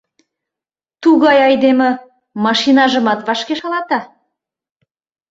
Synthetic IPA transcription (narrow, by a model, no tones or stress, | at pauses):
t̪uɣɑjɑjd̪emə̆ | mɑʃinɑʒə̆mɑt̪βɑʃkeʃɑlɑt̪ɑ